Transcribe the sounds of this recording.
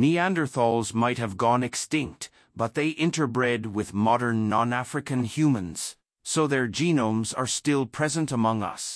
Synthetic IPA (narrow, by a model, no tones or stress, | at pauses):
niæ̃ndə˞θɔlˠzmaɪt̚hɨvɡɔ̃nɨkstɪ̃ŋk̚t | b̥ʌt̪̚ðeɪʔɪ̃ntə˞bɹɛd̚wɪðmɑɾə̃˞nːɑ̃næfɹɨkɨ̃nhjʉmə̃nz̥ | soʊðə˞d͡ʒĩnõʊ̃mzə˞stɪlˠpʰɹ̥ɛzə̃ntəmʌ̃ŋʌ̰s